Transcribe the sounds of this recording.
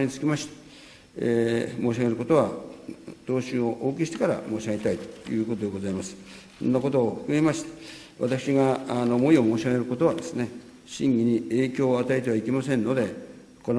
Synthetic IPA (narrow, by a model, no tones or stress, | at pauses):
ɲit͡sɨ̥kʲimaɕi̥t̪ | emo̞ːɕiaɡeɾɯ̟ko̞t̪o̞β̞a | t̪o̞ːɕɨoʔoːk̬ʲiɕi̥t̪e̞kaɾa̰mo̞ːɕaɡe̞t̪ait̪o̥jɯ̟ːko̞t̪o̞d̪e̞ɡo̞zaimasɨ̥ | sõ̰nːako̞t̪̬oːɸɯ̥kɯ̟ɡe̞maɕi̥t̪ | βa̰t̪akɯ̥ɕiɡanoːmo̞io̞mo̞ːɕiaɡe̞ɾɯ̟ko̞t̪o̞β̞ad̪e̞sɨne̞ | ɕĩŋɡʲiɲ̟ie̞ːkʲo̞ːat̪ae̞t̪eaike̞masẽnːo̞d̪e̞ | ko̞n